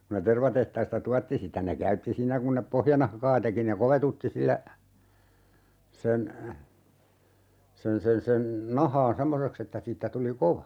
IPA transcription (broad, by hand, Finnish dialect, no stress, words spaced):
ku ne terʋɑtehtɑistɑ tuɑtːi sitæ ne kæytːi siːnːæ kun nep pohjɑnɑhkɑː teki ne koʋetutːi silːæ sen sen sen sen nɑhɑːn semːoseks etːæ siːtːæ tuli koʋɑ